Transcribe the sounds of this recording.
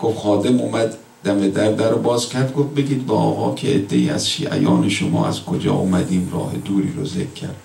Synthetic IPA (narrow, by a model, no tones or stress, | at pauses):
ɡ̥ofxɒːd̪e̞mumæd̪ | d̪̥æmed̪æɾd̪æɾobɒːzcʲʰæɾd̪̚ɡof̚be̞ɡʲiːd̪bɒɒːɣɒːcʰeed̪ːe̞iːæz̥ʃḭːʔæ̰jɒːneʃomɒ̰ːæz̥kʰod͡ʒɒ̰ːʔomæd̪iːmrɒ̰ːhe̞d̪uːɾiːɾozekʰːæɾd̪̥